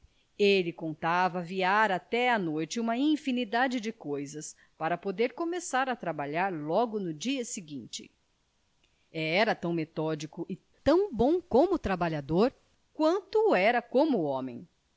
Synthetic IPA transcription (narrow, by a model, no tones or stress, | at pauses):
elɪkõnt̪avɐviaɾat̪ɛɐnojt͡ʃɪũmɐĩfinid̪ad͡ʒɪd͡ʒɪkojzɐs | paɾɐpod̪eɾkomesaɾɐt̪ɾabaʎaɾlɔɡʊnʊd͡ʒiɐsɪɡĩnt͡ʃɪ̰ | ɛɛɾɐt̪ɐ̃w̃met̪ɔd͡ʒikʊʔɪ | t̪ɐ̃w̃bõw̃kõmʊt̪ɾabaʎad̪oɾ | kwɐ̃nt̪ʊːɛɾɐkõmʊõmḛ̃j̃